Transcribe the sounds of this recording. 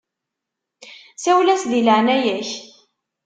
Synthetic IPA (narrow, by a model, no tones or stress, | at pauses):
sæwlæsðiləʕnæjæç